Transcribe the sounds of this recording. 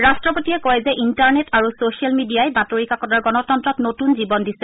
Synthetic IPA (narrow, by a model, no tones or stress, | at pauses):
ɹastɹɔpotiɛkɔjzɛʔintaɹnetʰaɹusosialmidiajbatoɹikakɔdaɹɡɔnɔtɔntɹɔtnotunzibɔndisɛ